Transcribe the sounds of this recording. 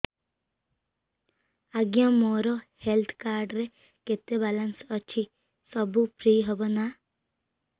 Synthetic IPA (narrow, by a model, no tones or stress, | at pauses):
aɡjãmɔɾɔhelt̪ʰkaɾɖɾe | ket̪ebalansɔt͡ʃʰi | sɔbupɾiːɦɔbɔna